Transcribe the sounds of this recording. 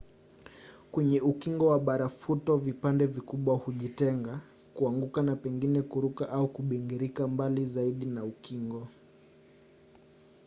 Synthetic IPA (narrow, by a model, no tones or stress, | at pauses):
kwɛɲɛukiŋɡɔwaɓaɾafutɔvipandɛvikuɓwahuʄitɛŋɡa | kuaŋɡukanapɛŋɡinɛkuɾukaʔaukuɓɛŋɡiɾikambalizaiɗinaukiŋɡɔ